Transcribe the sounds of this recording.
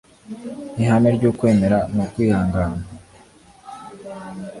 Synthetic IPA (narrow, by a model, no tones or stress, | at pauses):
niɦameɾɟuːkwe̞ːme̞ɾanokwiːhaːŋɡaːna